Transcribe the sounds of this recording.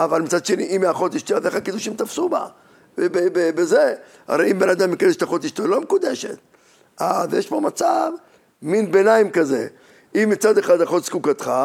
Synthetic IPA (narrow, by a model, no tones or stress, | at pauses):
ʔavalmit͡sad̪ʃeniʔimːaχot̪iʃt̪iazeχakid̪uʃimt̪afsuba̰ | bebebebeze | ha̰ʁejimbenad̪amːikad̪eʃt̪aχot̪iʃt̪olomekud̪eʃḛt̪̚ | ʔazjeʃpo̞mat͡sav | minbenaimkazḛ | imːit͡sad̪eχad̪haχot̪skukat̪χa